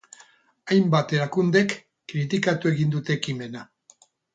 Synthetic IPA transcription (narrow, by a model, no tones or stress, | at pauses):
ajmbat̪e̞ɾakund̪e̞kː | ɾit̪̬ikat̪ue̞ɣind̪ut̪e̞kime̞na